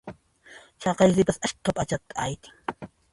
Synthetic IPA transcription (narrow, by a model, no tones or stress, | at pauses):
t͡ʃɑqɑjsɪpasaʃtapʼat͡ʃat̪ːḁajt̪ɪ̥ŋ